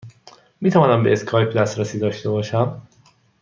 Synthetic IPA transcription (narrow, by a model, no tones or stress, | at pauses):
miːt̪ʰævɒːnæmbe̞eskʰɒːjpʰd̪æst̪ɾæsiːd̪ɒːʃt̪e̞bɒːʃæm